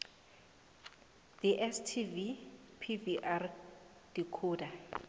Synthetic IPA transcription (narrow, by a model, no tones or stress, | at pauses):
d̥iʔɛstʰivipʰiviʔar | d̥ikʰuːda